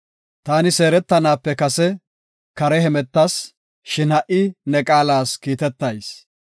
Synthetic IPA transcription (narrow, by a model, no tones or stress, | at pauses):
t̪aːnɪse̞ːɾɛt̪ːɐnaːpːɛkɐsɛ | kɐɾɛɦɛmɛt̪ːɐs | ʃɪnɐʔɪnɛkʼaːlaːskiːt̪ɛt̪ːɐjs